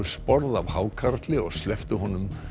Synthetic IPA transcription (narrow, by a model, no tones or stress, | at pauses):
spɔɾðavhaːwkʰaɾt̪lɪɔɣslɛft̪ʏɦɔnʏm